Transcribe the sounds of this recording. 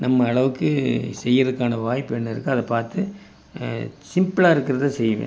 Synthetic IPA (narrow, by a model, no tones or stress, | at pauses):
nɐmːɐːɭɐʋɯkːɯsɛjːɪɾɐðɯkːaːnɐʋaːjpːɯɛnːɯɪɾɯkːɯɐðɐpaːɾt̪ɯ | sɪmpɭaːɪɾɯkːɪɾɐðɯsɛjɐʋḛ̃ː